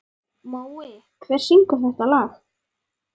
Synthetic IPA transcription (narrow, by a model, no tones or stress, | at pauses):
mawɪ | kʰvɛr̥siŋkʏmθɛht̪alaːx